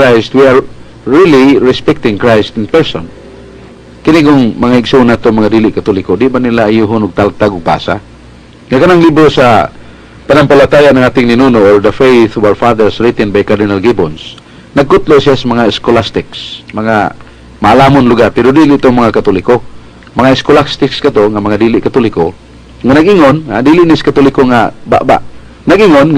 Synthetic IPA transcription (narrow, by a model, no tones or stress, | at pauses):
ajst̪wiaɹ | ɹiliɹɪspɛk̚t̪ɪŋkɹajst̪ɪnpɛɹsɔn | kɪniɡʊŋmɐŋaɪɡsonːaːt̪oŋmaŋad̪iːlɪʔkat̪olɪkod̪ɪʔbanilaːjuɦʊnʊɡ̚t̪alt̪aɡʊɡ̚ba̰ːsa̰ | ŋakanaŋlibɾosa | panampalat̪aːjaʔnaŋaːt̪ɪŋnɪnunoʔoɹd̪əfejθʊbalfad̪ɛɹsɾit̪ɛnbajkad̪ɪnalɡɪbons | naɡ̚kʊt̪losijasamaŋaɪskolast̪ɪksmɐŋa̰ | maʔalaːmʊnlʊɡarpɛɾʊd̪iːlɪʔt̪oŋmɐŋakat̪ulɪko | mɐŋaɪskolast̪ɪkskat̪oŋamɐŋad̪iːlɪʔkat̪ʊlɪko | ŋanaɡʔɪŋona̰d̪iːlɪʔnɪskat̪ulɪkoŋa̰ba̰ʔba̰ʔ | naɡʔɪŋon